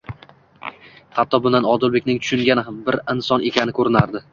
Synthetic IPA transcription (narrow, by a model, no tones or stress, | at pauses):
hat̪ʰːɒbʊnd̪anɒd̪ʊlbekʲnɪŋt̪ʰʊ̥ʃʊŋɡʲanɪhambɪɾɪnsɒne̞kʲʰanɪkʰɵɾɪnaɾd̪ɪ